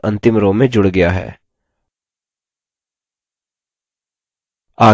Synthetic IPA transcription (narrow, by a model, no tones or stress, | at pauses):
ɐ̃nt̪ɪmɾõːmẽd͡ʒʊɽɡɐjaɦɛ̰ː | aː